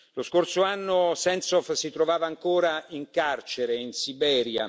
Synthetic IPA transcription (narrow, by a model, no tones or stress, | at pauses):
loskorsoanːosɛnsɔfsit̪ɾovaːvaːŋkoːɾaiŋkart͡ʃeɾeinsibɛːɾja̰